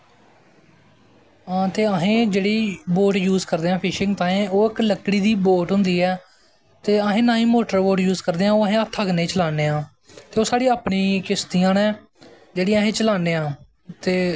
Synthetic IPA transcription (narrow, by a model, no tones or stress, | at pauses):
ãːt̪eːəɦẽːd͡ʒeːɽiːboːʈjuːzkəɾd̪eːãːpʰɪʃɪ̃ŋɡt̪ãːẽːoːɪkləkːɽiːd̪iːboːʈɦʊ̃nd̪iːɛː | t̪eːəɦẽːnãːĩːmoːʈəɾboːʈjuːzkəɾd̪eːãːoːəɦẽːət̪ʰːəɡnẽːt͡ʃəlaːneːãː | t̪eːoːsaːɽiːaːpnĩːkɪst̪iːãːnɛː | d͡ʒeːɽiːaːɦẽːt͡ʃəlaːneːãː | t̪eː